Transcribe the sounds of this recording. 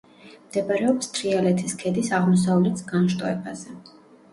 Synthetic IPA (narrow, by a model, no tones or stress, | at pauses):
md̪̥ɛbaɾɛɔpst̪ʰɾialɛt̪ʰiskʰɛd̪isaʁmɔs̬avlɛt̪ʰsɡanʃt̪ʼɔɛbazɛ